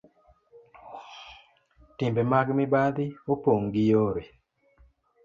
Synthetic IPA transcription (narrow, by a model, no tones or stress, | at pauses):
tɪmbemaɡmɪbad̪iopoŋɡijoɾe